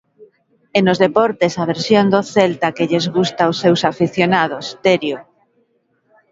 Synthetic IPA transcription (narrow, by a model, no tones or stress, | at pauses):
enozðepɔɾt̪esaβ̞eɾsjond̪oθelt̪akeʎezɣust̪aosːewsafiθjonað̞ost̪eɾjo